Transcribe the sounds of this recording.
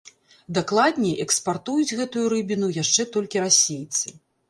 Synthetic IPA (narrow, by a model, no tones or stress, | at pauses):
d̪aklˠad̪ʲnʲɛʔɛkspart̪ujud͡zʲɣɛt̪ujuɾɨbʲinujaʂt͡ʂɛt̪ɔlʲkʲiɾasʲejt̪sɨ